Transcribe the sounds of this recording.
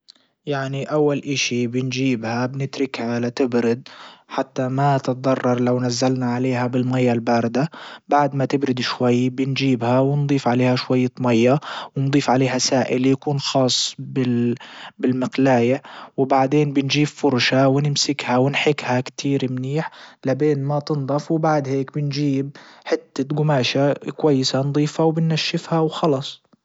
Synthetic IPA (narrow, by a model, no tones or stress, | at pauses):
jaʕniʔawːalʔaʃibɪnd͡ʒiːbhabnɪt̪ɾɪkʕalat̪ɪbɾɪd̪̚ħat̪ːamat̪ɪt̪̚ˤd̪ˤɑrˤːɑɾˤlawnazːalnaʕaleːhabɪlmajːalbaːɾɪd̪abaʕd̪mat̪ɪbɾɪd̪ʃwajːbɪnd͡ʒiːbhawɪnd̪ˤiːfʕaleːhaʃwajːat̪majːawɪnd̪ˤiːfʕaleːɦasaːʔɪljakuːnxɑːsˤːbɪ | bɪlmɪqlaːjawbaʕd̪eːnbɪnd͡ʒiːbfʊɾˤʃawɪnɪmsɪkhawɪnħɪkhakt̪ʰiːɾmniːħlabeːnmat̪ɪnd̪ˤɑfwbaʕd̪heːkbɪnd͡ʒiːb̚ħɪt̪ːaɡʊmaːʃakwajːɪsand̪ˤiːfhawbɪnːaʃːɪfhawxɑlɑsˤ